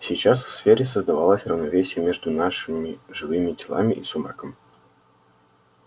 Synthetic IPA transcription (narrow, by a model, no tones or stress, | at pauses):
sʲijt͡ɕasfsfʲeɾʲɪsəzd̪ɐvalˠəsʲrəvnɐvʲesʲɪjəmʲe̞ʐd̪ʊnaʂɨmʲɪʐɨvɨmʲɪdʲɪlˠa̰mʲɪʔisʊməkəm